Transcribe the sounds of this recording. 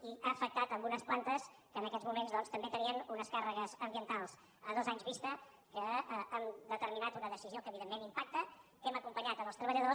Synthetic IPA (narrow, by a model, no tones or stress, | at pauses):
iaːfək̚t̪at̪əmbunəsplant̪əskəːnəkɛdd͡zzmumenzðɔnst̪əmbet̪əniənunəskarəɣəzəmbiənt̪alˠs | əðozaɲzβist̪ə | kəəəmd̪ət̪əɾminat̪unəðəsiziokəβiðemːenimpak̚t̪əkɛməkumpəɲat̪əməlˠst̪ɾəβəʎəðo